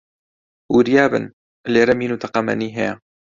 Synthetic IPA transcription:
wuɾjaːbɨ̰n | leːɾɐmiːnut̪ʰɐqɐmɐ̰niːɦɛja

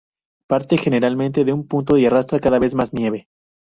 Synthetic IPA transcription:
paɾt̪e̞xe̞ne̞ɾalmẽnt̪eðeumpunt̪o̞iarast̪ɾakaðaβe̞zmasnje̞β̞e̞

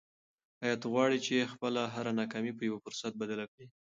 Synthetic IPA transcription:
hɑjɑt̪ɣwɑɽit͡ʃexpəlaɦaɾanɑkɑmipəjawəfʊɾsat̪̚bad̪alakɽi

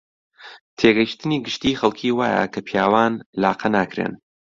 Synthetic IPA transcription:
t̪ʰeɡɐjʃt̪ɨniːɡɨʃt̪iːxɐlˠkʰiːwaːjɐ̰kʰɐpʰjaːwaːnlaːqʰɐnaːkʰɾḛːn

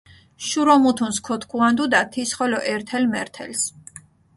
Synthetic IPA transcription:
ʃuɾɔmut̪ʰunskʰɔt̪ʰkʰuand̪ud̪at̪ʰisχɔlɔʔɛɾt̪ʰɛlmɛɾt̪ʰɛ̰ls

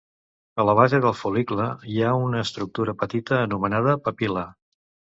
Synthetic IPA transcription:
ələβ̞azeðəlˠfulikləiaunəːst̪ɾuk̚t̪uɾəpət̪it̪əːnumənað̞əpəpilə

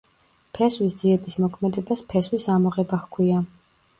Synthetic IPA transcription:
pʰɛswisd̪ziɛbismɔkʰmɛd̪ɛbaspʰɛswisamɔʁɛbaχkʰwia

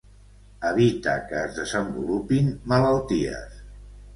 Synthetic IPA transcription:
əβ̞it̪əkəːzðəzəmbulupinmələlˠt̪iə̰s

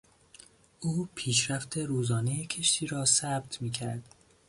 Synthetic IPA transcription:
ʔuːpʰiːʃɾæft̪ʰe̞ɾuːzɒːnejecʰe̞ʃt̪ʰiːɾɒːsæb̚t̪ʰmiːcʰæɾd̪̥

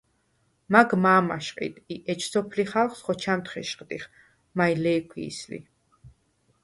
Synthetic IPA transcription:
maɡmaːma̰ʃqʼḭt̪ʼiʔɛt͡ʃʰsɔpʰliχalˠχsχɔt͡ʃʰamt̪χɛʃqʼd̪ḭχ | majlɛːkʷʰwḭːslḭ

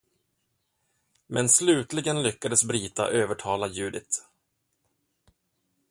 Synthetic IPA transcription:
mʔɛnslʉ̟ːt̪lɪɡənlʏkːad̪əsbɾiːt̪a̰ʔøːvəʈʰɑːlajʉ̟ːd̪ɪt̪

